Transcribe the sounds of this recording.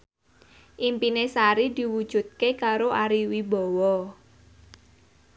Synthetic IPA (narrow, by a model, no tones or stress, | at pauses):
ʔimpinesaɾid̪̥i̤wud̥ʒ̥ṳt̪̚kekaɾoʔaɾiwibɔ̤wɔ